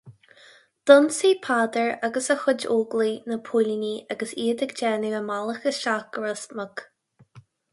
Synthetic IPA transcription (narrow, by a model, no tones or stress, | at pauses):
d̪̥ʊnsiːpʰaːd̪əɹaɡəsəxʊd͡ʒoːɡlinəpʰulʲəniaɡəsiːəd̪əɡd͡ʒɛːnəəmaləxəʃakəɹəsmək